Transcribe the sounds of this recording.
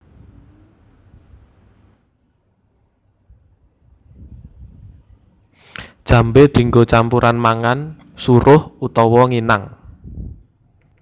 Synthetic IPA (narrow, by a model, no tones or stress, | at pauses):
d̥ʒ̥ä̤mbed̪̥i̤ŋɡot͡ʃampuɾʔanmaŋan | suɾʊhut̪ɔwɔŋinaŋ